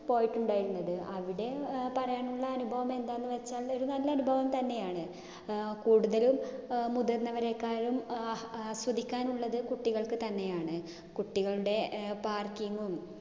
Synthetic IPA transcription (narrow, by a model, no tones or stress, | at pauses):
po̞ːjiʈːuɳɖaːjiɾunːɐðɨʔɐʋiɽe̞pɐrɐjaːnuɭːɐːnubʱɐʋɐme̞nd̪aːjenːɨʋe̞t͡ɕːaːɭo̞ɾunɐlːɐɐnubʱɐʋɐmt̪ɐnːe̞jaːɳɨ | kuːɽuðɐlumːud̪ɐɾnːɐʋɐɾe̞kːaːɾum | sʋɐd̪ʱikʲːaːnuɭːɐðɨkuʈːiɣɐɭkɨt̪ɐnːe̞jaːɳɨ | kuʈːiɣɐɭuɽe̞paːrkiŋɡum